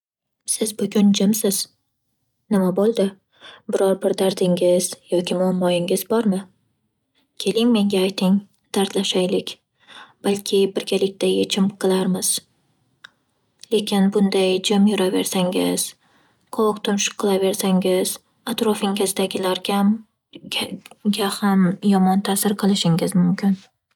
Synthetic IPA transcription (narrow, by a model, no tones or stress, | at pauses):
sɪzbʊɡʲʊnd͡ʒɪmsɪz̥ | nɪmabolˠd̪ɪ | bɪɾɒɾbɪɾd̪aɾd̪ɪŋɪz̥jɒkʲɪmʊamːɒɪŋɪz̥bɒɾmɪ | kʲʰe̞lɪŋme̞ŋɡʲaːjt̪ʰɪŋ | d̪̥aɾt̪laʃajlɪkʲ | b̥alˠkʲʰɪbɪɾɡʲalɪk̚ʲt̪ʰajet͡ʃʰɪmqʰɨlˠaɾmɪz̥ | le̞kʲɪnbʊnd̪ajd͡ʒamjʊɾave̞̰ɾsaŋɪz̥ | qʰɒqt̪ʰʊnʃʊ̥qʰːɨlˠave̞ɾsaŋɪz̥ | at̪ɾɒfɪŋɪzd̪aɡʲɪlaɾɡʲam | ɡʲahamjɒmɒnt̪ʰasɪɾqʰɨlˠɪʃɪŋɪzmʊmkʲʰɪn